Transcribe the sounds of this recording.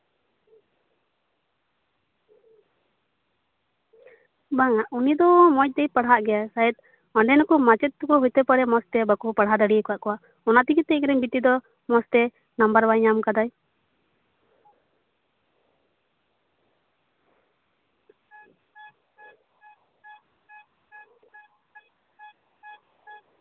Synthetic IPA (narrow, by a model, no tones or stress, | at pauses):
baŋaʔunid̪ɔmɔc̚d̪ɛjpaɽɦaʔɡɛjasaɛt̪ | ɔɳɖɛnakɔmat͡ʃɛt̪̚ːkɔɦujt̪ɛpaɽɛmɔst̪ɛbakupaɽɦad̪aɽijəkɔwaʔkɔwaʔ | ɔnat̪ikit̪ːɛiŋɾɛmbit̪id̪ɔ | mɔst̪ɛ | nambaɾbajɲamkad̪aj